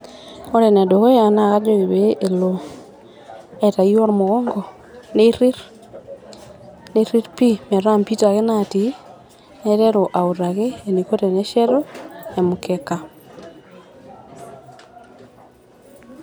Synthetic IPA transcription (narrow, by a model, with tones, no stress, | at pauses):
o˦ɾɛ˨nɛ˨do˨ɣɔ˦a˨na˦˨ɣa˦d͡ʒoɣe˨βeʔe˨lo | ɛta˨iɔ˦ɾmoɣɔː˦ŋɡɔ˨ | neɾi˦ɾ | neɾi˦ɾpi˦mɛ˨ɾa˦mpi˦ta˨ɣe˦na˨ti˨ | nɛ˦ɾɛ˦ɾo˨ʔa˨u˨ɾa˨ɣeː˦˨ni˨ko˦ɾɛ˨nɛ˦ʃɛ˦ɾo˦e˨mokɛka˨